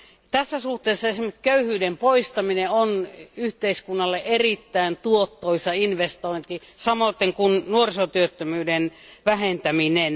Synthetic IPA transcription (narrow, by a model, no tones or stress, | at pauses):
t̪æsːæsuht̪eːsːɑesimekkøyhyːdempoist̪ɑmineonyht̪eiskunːɑlːeʔerit̪ːæint̪uot̪ːoisɑinʋest̪oint̪i | sɑmoˑit̪ːeŋkunnuorisot̪yøt̪ːømyːdenʋæhent̪æminen